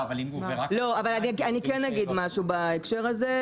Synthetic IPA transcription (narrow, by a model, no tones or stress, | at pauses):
avalimelo̞avalanianikenːaɡid̪maʃubaekʃe̞ʁaze